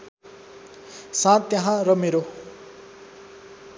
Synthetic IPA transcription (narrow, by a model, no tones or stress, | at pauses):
sãt̪ːjʌɦãrʌmeɾo